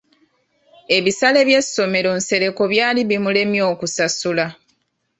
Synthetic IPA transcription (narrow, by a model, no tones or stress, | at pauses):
e̞βisale̞βje̞sːo̞me̞ɾo̞nse̞ɾe̞ko̞βjaːliβimule̞mjo̞ːkusasula